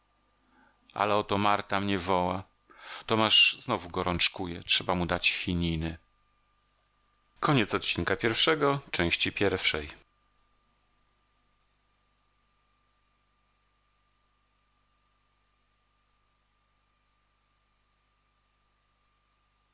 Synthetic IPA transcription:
ʔa̰lɛɔt̪ɔmaɾt̪amɲɛvɔwa | t̪ɔmaʂznɔvuɡɔɾɔnt͡ʂkujɛtʂɛbamud̪at͡ɕxʲiɲinɘ | kɔɲɛt̪sɔt̪̚t͡ɕinkapʲjɛɾfʂɛɡɔt͡ʂɛ̃w̃ɕt͡ɕipʲjɛɾfʂɛj

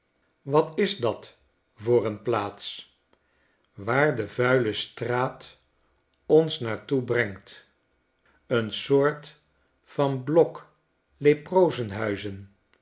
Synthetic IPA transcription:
ʋɑtɪzdɑt | vʊːɾənplaːts | ʋaːɹdəvœɥləstraːt | ɔnsnaːɹtubrɛŋt | ənsʊːɹt | fɑnblɔk | leprowzənɦœɥzən

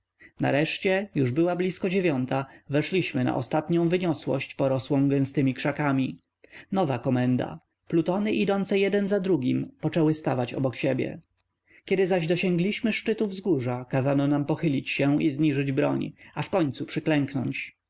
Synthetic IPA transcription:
na̰ɾɛʂt͡ɕɛjuʐbɘwablʲiskɔd͡ʑevʲjɔnt̪avɛʂlʲiɕmɘna̰ʔɔst̪at̪ɲɔ̃w̃vɘɲɔswɔ̰ɕt͡ɕpɔɾɔswɔ̃w̃ɡɛ̃w̃st̪ɘmʲikʂakamʲi | nɔvakɔmɛnd̪a̰ | plut̪ɔnɘʔid̪ɔnt̪sɛjɛd̪ɛnzad̪ɾuɡʲimpɔt͡ʂɛwɘst̪avat͡ɕɔ̰bɔkɕebʲjɛ̰ | kʲɛd̪ɘzaʑd̪ɔɕɛŋɡlʲiɕmɘʂt͡ʂɘt̪uvzɡuʐakazanɔnampɔxɘlʲit͡ɕɕɛizɲiʐɘd͡ʑbɾɔ̰ɲafkɔɲt̪supʂɘklɛŋknɔ̰ɲt͡ɕ

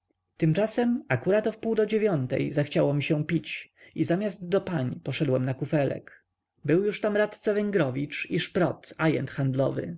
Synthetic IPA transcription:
t̪ɘmt͡ʂasɛmakuɾat̪ɔfpuwd̪ɔd͡ʑevʲjɔnt̪ɛ̰jzaxt͡ɕawɔmʲiɕɛ̃pʲit͡ɕ | izamʲjazt̪d̪ɔpaɲipɔʂɛd̪wɛmnakufɛlɛ̰k | bɘwjuʂt̪amɾat̪t̪savɛŋɡɾɔvʲit͡ʂiʂpɾɔt̪ajɛ̰nt̪xand̪lɔvɘ̰

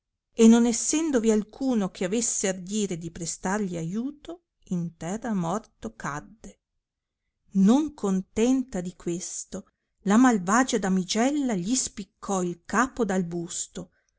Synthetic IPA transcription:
enːonesːɛnd̪ovialkʰuːnokʰeavesːeard̪iːɾed̪ipɾest̪arʎiajuːt̪o | int̪ɛrːamɔrt̪okad̪ːe | noŋkont̪ɛnt̪ad̪ikwest̪o | lamalvaːd͡ʒad̪amid͡ʒɛlːaʎispikʰːɔilkaːpod̪albust̪o

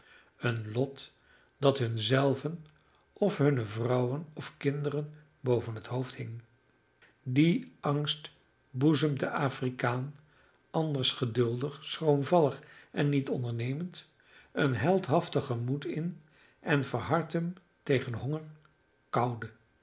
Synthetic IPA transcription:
ənlɔt | d̥ɑtɦɵnzɛlˠvən | ɔfɦɵnəvrʌwənɔfkɪndərən | bowvənɦətɦowfthɪŋ | diɑŋst | buzəmdəʔaːfrikaːn | ʔɑndəɹsχədɵlˠdəχsrowmvɑlˠəχɛnːitɔ̰ndəɹnejmənt | ənɦɛlˠtɦɑftəχəmutɪn | ɛnvəɹɦɑɹtəm | tejχənɦɔŋəɹ | kɑwdə

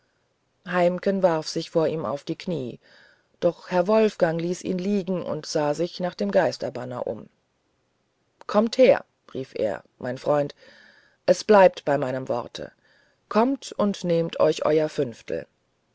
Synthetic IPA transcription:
haɪmkənvaʁfz̥ɪçfoːɐʔiːma̰ʊfd̥iːkʰniː | d̥ɔχhɛɐvɔlfɡ̥aŋliːsʔḭːnliːɡŋ̩ʔʊ̰ntz̥aːzɪçnaːχd̥eːmɡaɪstɐbanɐ̰ʔʊ̰m | kʰɔmtheːɐ | ʁiːfʔḛːɐmʔaɪnfʁ̥ɔʏnt | ʔɛsb̥laɪp̚tb̥aɪmaɪnəmvɔ̰ʁtʰə̰ | kʰɔmtʊntneːmtʰʔɔ̰ʏçʔɔ̰ʏɐfʏnftʰl̩

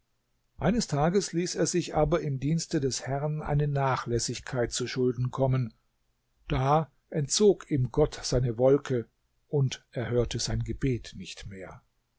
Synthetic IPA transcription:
ʔaɪnəstʰaːɡəsliːseːɐzɪçʔaːbɐɪmdiːnstədɛshɛʁnʔa̰ɪnənaːχlɛsɪçkʰaɪt̚t͡suːɐʃʊldn̩kʰɔmən | d̥aː | ʔɛnt̚t͡soːkiːmɡɔtz̥aɪnəvɔlkʰə | ʔʊntʔeːɐhøːɐtəzaɪnɡəbeːtnɪçtmeːɐ

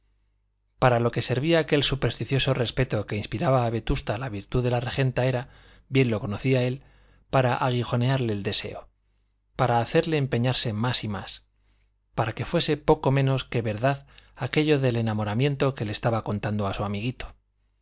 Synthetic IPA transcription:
paɾalo̞ke̞se̞ɾβiaːke̞lsupe̞ɾst̪iθjo̞so̞re̞spe̞t̪o̞ke̞inspiɾaβaːβe̞t̪ust̪alaβiɾt̪uðe̞lare̞xe̞nt̪ae̞ɾa | bje̞nlo̞ko̞noθiae̞l | paɾaʔaɣ̞ixo̞ne̞aɾle̞ːld̪e̞se̞̰o̞ | paɾaːθe̞ɾle̞ːmpe̞ɲaɾse̞masimas | paɾake̞fwe̞se̞po̞ko̞mẽ̞no̞ske̞βe̞ɾðaðake̞ʎo̞ðe̞le̞namo̞ɾamje̞nt̪o̞ke̞leːst̪aβako̞nt̪and̪oasuamiɣit̪o̥

